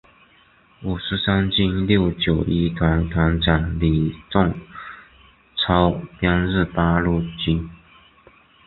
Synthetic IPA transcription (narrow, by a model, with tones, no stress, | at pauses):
u˨˩ʂɻ̩˧˥sa˥nt͡ɕi˥˧nljo˥˩ʊt͡ɕjo˨˩ʊʔi˥t̪ʰwa˧˥nt̪ʰwa˧˥nʈ͡ʂa˨˩nli˨˩t͡sʊ˥˧ŋ | t͡sʰɑ˥ʊpjɑ˥nɻ̩˥˧pa˥lu˥˩t͡ɕi˥n